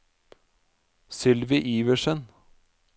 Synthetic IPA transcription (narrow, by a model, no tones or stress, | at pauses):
sɪlʋiʔiːʋəʂən